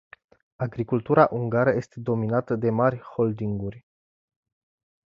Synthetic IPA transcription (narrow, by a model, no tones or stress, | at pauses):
aɡɾikult̪uɾaʔuŋɡaɾəje̞st̪e̞d̪o̞minat̪əd̪e̞marʲho̞ld̪iŋɡurʲ